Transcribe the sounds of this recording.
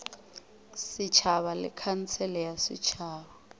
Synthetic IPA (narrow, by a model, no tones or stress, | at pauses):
sɪt͡ʃʰaβalɪ̰kʰan̩t͡sʰɛlɛjasɪ̰t͡ʃʰaːβa